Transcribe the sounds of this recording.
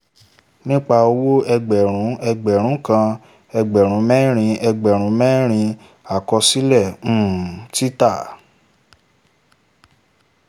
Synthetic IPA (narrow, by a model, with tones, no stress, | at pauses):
nĩ˦k͡pa˧o˧wo˦ɛ˧ɡ͡bɛ˨ɾ̃ũ˨˦ɛ˧ɡ͡bɛ˨ɾ̃ũ˨˦kã˧ | ɛ˧ɡ͡bɛ˨ɾ̃ũ˨˦mɛ̃˦ɾ̃ĩ˧ɛ˧ɡ͡bɛ˨ɾ̃ũ˨˦mɛ̃˦ɾ̃ĩ˧ | a˨kɔ˧si˦lɛ̃˦˨˦ti˦ta˦˨